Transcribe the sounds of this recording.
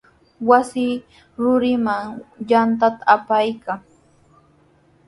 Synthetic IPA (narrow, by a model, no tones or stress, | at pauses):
wasɪ | ɾʊɾɪmaŋjant̪at̪ḁapajkaŋ